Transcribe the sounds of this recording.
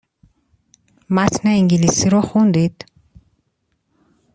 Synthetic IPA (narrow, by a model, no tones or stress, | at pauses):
mat̪ʰneiŋɡilisiɾɔχund̪id̪̥